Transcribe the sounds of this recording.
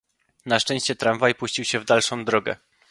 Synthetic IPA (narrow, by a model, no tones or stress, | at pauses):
naʂt͡ʂɛ̃ɕt͡ɕɛt̪ɾamvajpuɕt͡ɕiwɕɛvd̪alʂɔ̃w̃d̪ɾɔɡɛ̰